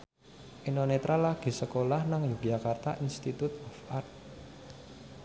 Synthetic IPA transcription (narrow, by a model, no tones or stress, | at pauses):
ʔenonet̪ɾalaɡ̥i̤səkolahnaŋjuɡ̥iakart̪aʔinst̪it̪ut̪ɔfart̪̚